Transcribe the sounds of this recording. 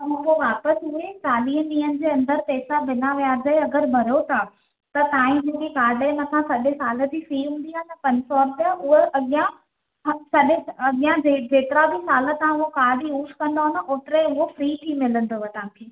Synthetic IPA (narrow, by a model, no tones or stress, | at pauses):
t̪ɐɦpoʋaːpəsʊɦet͡ɕaːliːɦənɗĩːənɪ̆d͡ʑeːɐ̃nd̪əɾt̪eːsabɪnaʋijaːzəeɐɡəɾmɐɾjot̪ʰa | t̪ɐt̪ãːɦĩd͡ʑeːkekaːɾləmɐsãsɐɗesaːlə̆t̪ifɾiːɦũːnd̪iɦaːnəpɐɲsɔːɾt̪aʊɦeʔɐɠɪjã | ɐsɐɗeɐɠijãd͡ʑed͡ʑeːt̪ɪɾabisaːlə̆t̪ãʊɦokaːɖʱiuːʃkɐ̃nd̪aɦʊ̃nd̪əʔoːt̪ɪɾeʊɦofɾiːt̪ʰimɪlə̃nd̪oɦet̪ɐʋãːkʰeː